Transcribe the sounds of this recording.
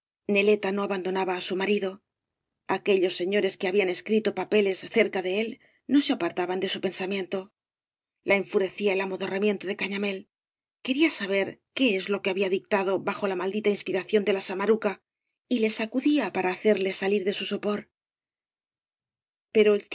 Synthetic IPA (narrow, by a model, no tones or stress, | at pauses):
ne̞le̞t̪ano̞aβand̪o̞naβaːsumaɾiðo̞ | ake̞ʎo̞sːe̞ɲo̞ɾe̞ske̞aβiane̞skɾit̪o̞pape̞le̞sθe̞ɾkaðe̞e̞l | no̞seapaɾt̪aβand̪e̞supe̞nsamjẽ̞nt̪o̞ | lʔaeɱfuɾe̞θiaelamo̞ðo̞ramje̞nt̪oðe̞kaɲame̞l | ke̞ɾiasaβ̞e̞ɾke̞ezlo̞ke̞aβiaðik̚t̪aðo̞βaxo̞lamald̪it̪ainspiɾaθjo̞nd̪e̞lasamaɾuka | ile̞sakuðiapaɾaːθe̞ɾle̞saliɾðe̞suso̞po̞ɾ | pe̞ɾo̞el